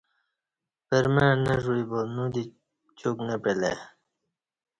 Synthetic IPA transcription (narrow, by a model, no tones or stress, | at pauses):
peɾmẽneʐuibonũd̪i | t͡ɕuknepelḛ